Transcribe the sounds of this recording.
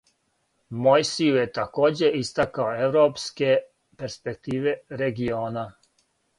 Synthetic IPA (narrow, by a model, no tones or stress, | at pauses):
mojsiujet̪ako̞ːd͡ʑe̞ist̪akaoewɾoːpske̞ | pe̞ɾspek̚t̪iːʋe̞ɾeɡioːna